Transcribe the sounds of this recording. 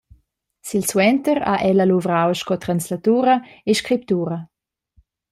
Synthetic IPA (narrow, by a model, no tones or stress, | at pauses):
silswɛnt̪əɾa̰ʔɛləluvɾawʃkɔt̪ɾanslat̪uːɾəeʃkɾip̚t̪uːɾə